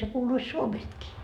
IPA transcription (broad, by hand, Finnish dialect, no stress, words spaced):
se kuːluis suomestkiː